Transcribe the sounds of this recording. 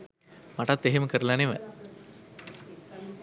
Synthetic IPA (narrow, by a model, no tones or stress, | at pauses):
mɐʈat̪ːeɦemkɐɾlaneʋɐ̰